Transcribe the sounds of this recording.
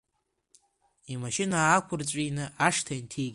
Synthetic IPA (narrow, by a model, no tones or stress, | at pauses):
imaʃɪnaːkʷʰʊrt͡ɕʷʼinɨʔaʂtʰaintʰekʲ